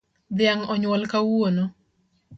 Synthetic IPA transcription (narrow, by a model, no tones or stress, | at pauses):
d̪ɪaŋɔɲwɔlkawono